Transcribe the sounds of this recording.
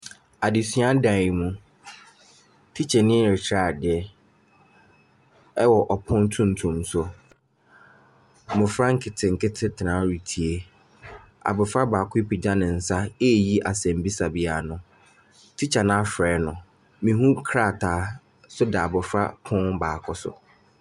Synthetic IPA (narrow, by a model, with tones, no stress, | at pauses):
a˨dɪ˨sɥa˦dã˨mũ˦ | tʰi˦t͡ɕʰɛ˨nɪ̃˦ɾɪ˨t͡ɕʰaː˨dɪ˨˦ɛ˦ | ɛ˦wɔ˨ʔɔ˨pʰʊ̃˦n˦tʰũ˦n̩˨tʰũ˨msʊ˨ | mʊ̃˨fɾa˦ŋ̩˦kʰɪ˨tʰɪ̃˨ŋ̩˨kɪ˦tʰɪ˦tʰɪ˨nã˨˦ɾi˨tʰi˨e˦ | a̰˨bʊ˨fɾa˦baː˨kʰi˦pi˨d͡ʑa˦nɪ̃˨n̩˨sa˦e˦˨ji˦ʔa˨sɛ̃˨mbi˦sa˨bi˨a˨nʊ̃˨ | tʰi˦t͡ɕʰa˨nã˦fɾɛː˨˦nʊ̃˨ | mĩ˨ɦũ˦kʰɾa˦˨tʰaː˨˦ | sʊ˦dɛ˨a˨bʊ˨fɾa̰˦pʰʊ̃˦nbaː˨kʰɔ˦sʊ̰˨